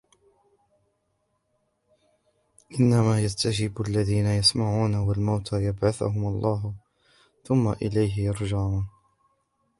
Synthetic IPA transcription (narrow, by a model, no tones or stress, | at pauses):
ʔɪnːamaːjast̪ad͡ʒɪbʔalːaðiːnajasmaʕuːnawalmawt̪ʰajabʕaθʊ̰ɦʊmalˤːɑːɦ | θʊmːa̰ʔɪlajɦɪjɑɾˤd͡ʒaʕuːn